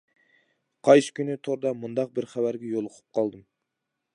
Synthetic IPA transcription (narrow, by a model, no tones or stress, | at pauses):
qʰɑjsɨ̥kʲynɪt̪ʰoɾd̪ɑmund̪ɑq̚bɪɾχæbæɾɡʲɛjolˠəqʰə̥p̚qʰɑlˠd̪ɨm